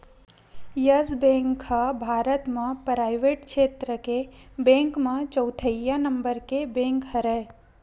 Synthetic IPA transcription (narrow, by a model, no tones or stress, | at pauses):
jɐsbẽŋkhɐbʱaːɾət̪mãpɾaːɪʋeːʈkʃeːt̪ɾəkebẽːŋkmãt͡ʃəwt̪ʰəjanɐmbəɾkebẽːŋkɦɐɾe